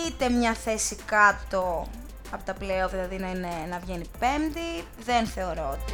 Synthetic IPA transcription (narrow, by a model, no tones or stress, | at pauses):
it̪e̞mɲɐθe̞sikɐt̪o̞ | ɐpot̪ɐpleoðilɐðinɐine̞nɐvʝe̞nipe̞md̪i | ðe̞nθe̞o̞ɾoot̪i